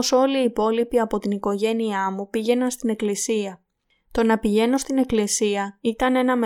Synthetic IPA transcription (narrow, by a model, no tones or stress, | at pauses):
oso̞liːpo̞lipiɐpo̞t̪iniko̞ʝe̞niɐmupiʝe̞nɐnst̪ine̞klisiɐ | t̪o̞nɐpiʝe̞no̞st̪ine̞klisiɐit̪ɐne̞nɐme